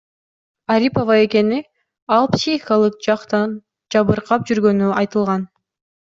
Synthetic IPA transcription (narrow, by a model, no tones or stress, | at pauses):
aɾʲipovɑe̞ke̞ni | ɑlˠpsʲixialˠɯq̚d͡ʒɑqt̪ɑn | d͡ʒɑβɯɾqʰɑp̚d͡ʒyɾɡø̞nyɑjt̪ɯlˠʁɑn